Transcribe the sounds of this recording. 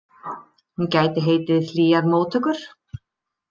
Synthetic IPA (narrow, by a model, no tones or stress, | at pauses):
huncaːjt̪ɪɦeːjt̪ɪðθliːaɾmoːwt̪ʰœkʏɾ̥